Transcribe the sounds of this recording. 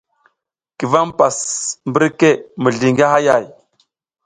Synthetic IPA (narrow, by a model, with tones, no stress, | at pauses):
ki˨va˦m˦pa˨smbə˦ɾke˦mə˨ɮi˨ŋɡa˦ha˦ja˦˨j